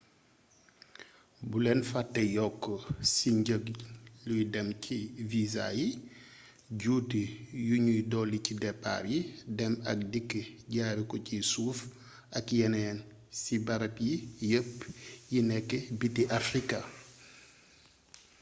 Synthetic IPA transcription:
bulɛnfatːɛjɔkːɔsiɲɟəklujdɛmcʰiviza̰ji | ɟuːtijuɲujdɔːlicidɛpːa̰ːɾjidɛmɐ̰k̚dikːəɟaːɾikɔcisuːf | ʔɐkjɛnɛːnsibaɾɐpjijəpjinɛkːɛbitiʔafɾika

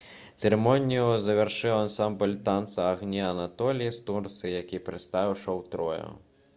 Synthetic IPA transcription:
t̪seɾemɔnʲijʊzɐʋerʃɪwɐnsɑmbɔlʲt̪ɑnt̪sɐɐɣnʲiɐnɐt̪ɔlʲijist̪urt̪sɨjɐkʲijpɾest̪ɑʋɪwʃɔwt̪ɾɔjʊ̰

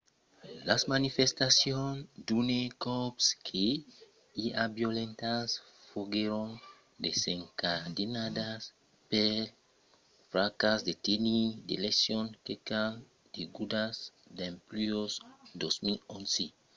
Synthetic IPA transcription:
lasmanifest̪asjõnd̪unekɔpskʰe | iabjolẽnt̪as | foɡeɾõn | d̪eseŋkad̪inad̪as | pel | fɾakasd̪et̪enid̪elesjõŋkekan | d̪̥eɡud̪as | d̪ẽmplyosd̪osmilõnse

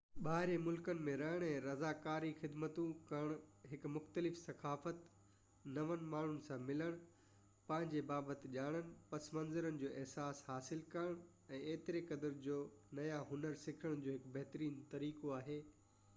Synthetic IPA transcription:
ɓaːɦɪɾemʊlkənɪ̆mẽɾɐɦəɽ̃ɛ̃ːɾɐzaːkaːɾixɪd̪mət̪ũkɐəɽ̃ɦɪkmʊxt̪əlɪfsɐkaːfət̪ | nɐʋən̆maːɳ̤ʊnɪ̆sãmɪləɽ̃ | pɐ̃ɦɪ̃ɲd͡ʑebaːbət̪ɪʄaːɽ̃ənɪ̆pɐsmɐ̃nzəɾənɪ̆d͡ʑoːʔɛɦsaːshaːsɪlkɐɾəɽ̃ | ɛ̃ːeːt̪ɪɾekɐd̪əɾd͡ʑoːnɐjaɦʊnəɾsɪkʰəɽ̃d͡ʑoːɦɪkbɐɦt̪əɾiːnt̪ɐɾiːkoaːɦeː

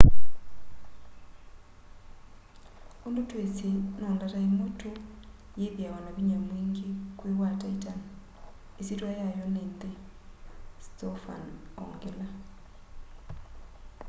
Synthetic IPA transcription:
ondotwesenɔndataimotʰo | jeβjawanaβiɲamwiŋɡekwewataitan | esetwajajɔnende | stɔfa̰nɔ̰ŋɡela

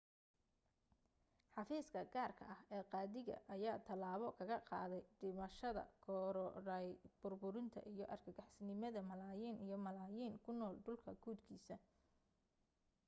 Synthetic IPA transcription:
ħɑfiːskʰɐɡaːrkʰɐ̰ʔɐhɛːqɑːðɪɣɐ̰ʔɐjaːt̪ʰɐlaːβɔkʰɐɣɐqɑ̰ːðɛjɖ̥ɪmɐʃɐðɐ̰kʰɔɾɔɾɐjb̥ʊrbʊɾɪnt̪ʰɐ̰ʔijɞʔɐrkʰɐɡɑħsɪnɪmɐðɐmɐlaːjiːnʔijɞmɐlaːjiːnkʰʊnɔːlɖʊlkʰɐɡuːd̪kʰiːsɐ

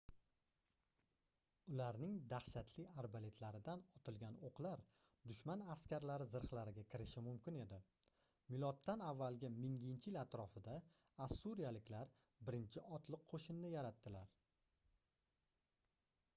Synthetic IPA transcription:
ʊlaɾnɪŋd̪aχʃat̪ʰlɪaɾbale̞t̪ʰlaɾɪd̪anɒt̪ʰɪlɡʲanoqlˠaɾ | d̪ʊʃmanaskʲaɾlaɾɪzɪɾχlaɾɪɡʲakʲʰɪɾɪʃɪmʊmkʲɪne̞d̪ɪ | mɪlˠɒt̪ːanavːalˠɡʲɪmɪŋɪnt͡ʃʰɪɪlat̪ɾɒfɪd̪a | asːuɾijalɪkʲʰlaɾ | bɪɾɪnt͡ʃʰɪɒt̪ʰlˠɪqʰoʃɪnːɪjaɾat̪ːɪlaɾ

